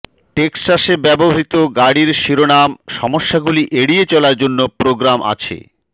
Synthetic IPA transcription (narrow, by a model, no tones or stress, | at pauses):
ʈeksasebɛboɦit̪oɡaɽiɾʃiɾonamʃɔmoʃːaɡuliʔeɽiet͡ɕɔlaɾd͡ʑonːopɾoɡɾamʔa̰t͡ɕʰḛ